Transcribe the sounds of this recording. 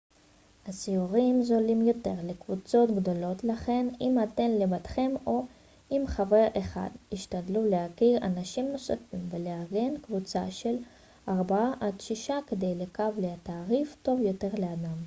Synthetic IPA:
hasiuʁimzo̞limjo̞t̪e̞ʁlekvut͡so̞t̪ɡd̪o̞lo̞t̪laχe̞nimat̪e̞nlebat̪χe̞mo̞ | ʔimχave̞ʁeχa̰d̪iʃt̪ad̪luleakiʁa̰naʃimno̞safimveleaʁɡe̞nkvut͡sa̰ʃe̞l | ʔaʁbaaʔad̪ʃiʃaked̪ejlekavleat̪aːʁifto̞vjo̞te̞ʁlead̪am

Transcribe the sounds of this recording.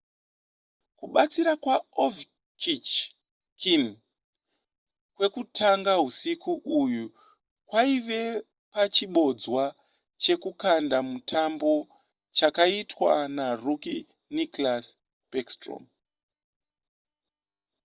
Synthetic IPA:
kuɓat͡siɾakwaov | kʰit͡ʃ | kin | kwe̞kutʰaŋɡaɦusikuʔuju | kwaiʋe̞ | pat͡ʃiɓo̞d͡zwa | t͡ʃe̞kukandamutʰambo̞ | t͡ʃakaitwa̰naruki | niklas | pekstro̰m

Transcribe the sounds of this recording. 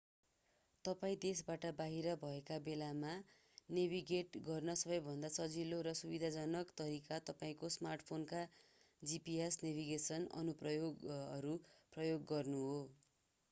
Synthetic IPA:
t̪ʌpaĩd̪esbaʈʌbaɦiɾʌbʱʌekabelama | nebʱiɡeʈɡʌrnʌsʌbʌjbʱʌnd̪asʌd͡ziloɾʌsubid̪ʱad͡zʌnʌkt̪ʌɾikat̪ʌpaĩkosmarʈpʰonka | d͡zipiesnebʱiɡesʌnʌ̰nuprʌjoɡʌɾuprʌjoɡːʌrnuɦo

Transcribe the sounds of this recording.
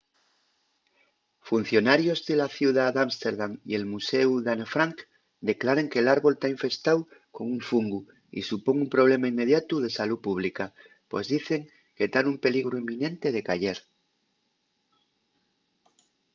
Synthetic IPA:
fun̟θjo̞naɾjo̞zðe̞laθjuðad̪amst̪e̞ɾðaŋie̞lmuse̞uðanefɾaŋk | d̪e̞klaɾeŋkeːlaɾβo̞lt̪aiɱfe̞st̪awko̞ŋuɱfuŋɡu | ḭsupo̞ŋumpɾo̞β̞le̞mainme̞ð̞jat̪uð̞e̞salupuβ̞lika | pwe̞zðiθe̞ŋ | ket̪anumpe̞liɣɾuimːĩnẽ̞nt̪e̞ð̞e̞kaʝe̞ɾ

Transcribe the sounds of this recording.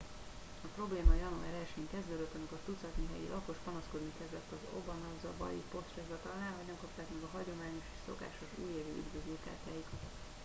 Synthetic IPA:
ɒpro̞bleːmɒjɒnuaɾɛlʃeːŋkɛzd̪øːd̪øt̪ːɒmiko̞rt̪ut̪sɒt̪niɦɛ̰jḭlʔɒko̞ʃpɒnɒsko̞d̪nikɛzlɛt̪ːɒzo̞̰bɒnɒɡzɒbɒ̰jḭpo̞st̪rɛzɒt̪ɒlnaːlɦoɟɒŋkɒpt̪aːkmɛɡɒɦɒɟo̞maːɲo̞ʃe̥ʃso̞̰ka̰ːʃo̞ʃṵːjeːvy̰ːy̰d̪vøzøːka̰ːt̪aːjit̪

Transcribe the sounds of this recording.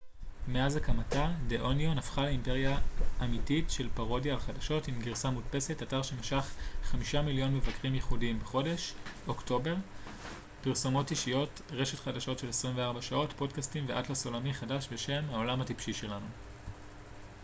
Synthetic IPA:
me̞azakamatadeʔo̞njonafχaleimpe̞ʁjaːmititʃe̞lpaʁo̞djavχadaʃo̞timɡiʁsamutpe̞setataʁʃemiʃaχχamiʃamiljo̞nmevakʁimjeχudimbeχo̞de̞ʃo̞kto̞be̞ʁ | piʁso̞mo̞tiʃijo̞t | ʁe̞ʃe̞tχadaʃo̞tʃe̞lesʁimveaʁbaʃao̞tpo̞dkastimveʔatlaso̞lamiχadaʃbe̞ʃe̞mhao̞lamhatipʃiʃe̞lanu

